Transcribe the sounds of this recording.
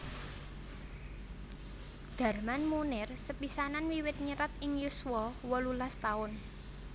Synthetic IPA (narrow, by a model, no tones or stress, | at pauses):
d̪̥ä̤rmanmunɪrsəpisananwiwɪt̪̚ɲəɾat̪̚ɪŋjuswɔwɔlulast̪aʊn